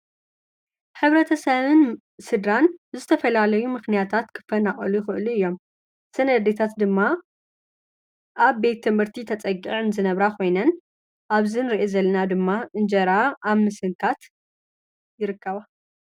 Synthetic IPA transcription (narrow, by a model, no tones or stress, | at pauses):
ħɨβɾɐt̪ʰɐsɐβɨn | sɨd̪ɾanzɨt̪ʰɐfɐlalɐjumɨxnijat̪ʰat̪kʰɨ̥fɐnaχʼɐlujɪxɨʔluɨjːo̞m | sɐnɐd̪et̪ʰat̪d̪ɨmːa | ʔaβbe̞t̪ʰːɨmhɨɾt̪ʰit̪ʰɐt͡sʼɐɡiʕɨnzɨnɐβɾakʰo̞jnɐn | ʔaβzɨnɨɾiʔezɐlːɐnad̪ɨmːaʔɨnd͡ʒɐɾaʔaβmɨsɨŋkʰat̪ | jɪɾɨkːɐβa